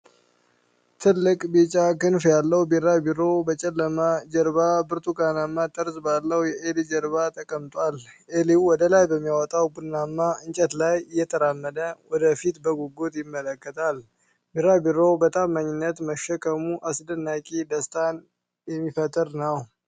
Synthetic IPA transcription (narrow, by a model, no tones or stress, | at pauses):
t̪ʰɨlːɨkʼbit͡ʃʼakɨnfjalːəwbiɾabiɾobət͡ʃʼɛlːəmad͡ʒəɾbabɨɾt̪ʰuɡanamːat̪ʼəɾsbalːəwjɛʔelid͡ʒəɾbat̪ʰʼəkʼəmt̪ʼwaleliwwɔd̪əlajbəmːijwɔt̪ʼawbɨnːamːaɨɲt͡ʃʼɛt̪lajɨjːɛt̪ʰəɾamːəd̪əwɔd̪əfit̪bəɡuɡot̪jɪmːələkːət̪ʰal | biɾabiɾo̞bət̪ʼamːaɲːɪnːət̪məʃːəkʰəmuʔasd̪ənːakʼid̪əst̪ʰan | jɛmːifət̪ʼəɾnəw